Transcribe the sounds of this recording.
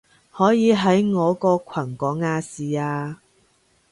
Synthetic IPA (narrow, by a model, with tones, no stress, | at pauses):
hɔː˨˥jiː˨˧ɦɐ˨˥jŋɔː˨˧kɔː˧kʷʰɐ˨˩kɔː˨˥ŋaː˧siː˨aː˧